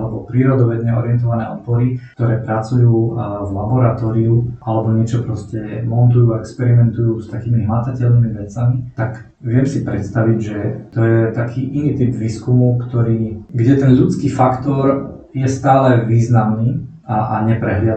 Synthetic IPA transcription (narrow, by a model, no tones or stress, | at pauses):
lɛbɔpɾiːɾɔd̪ɔʋɛd̪ɲɛɔɾɪɛnt̪̬ɔʋanɛ̰ːʔɔpɔɾikt̪ɔɾɛːpɾat͡sujuːvlabɔɾat̪ɔːɾiuʔalɛbɔɲɪɛt͡ʃɔpɾɔscɛmɔnt̪ujuːaɛkspɛɾimɛnt̪ujuːst̪akiːmiɦmat̪acɛʎniːmiʋɛt͡samit̪ak | ʋɪɛmsipɾɛt̪st̪aʋiɟʒɛt̪ɔjɛt̪akʰiːʔiniːt̪ibʋiːskumukt̪ɔɾiːɡɟɛt̪ɛnʎut͡skiːfakt̪ɔɾ | jɛst̪aːlɛʋiːznamniː | aaɲɛpɾɛɦʎɪa